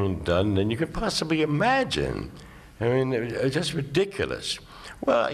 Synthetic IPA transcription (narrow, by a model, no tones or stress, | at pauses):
ɪ̃ndʌ̃nðɨ̃njɨkɨ̃n̚pʰɑsəbliɨmæd͡ʒɪ̰̃n | aɪmĩnd͡ʒʌst̚ɹɨdɪkʰjl̩ˠə̰s | wɛ̰lˠ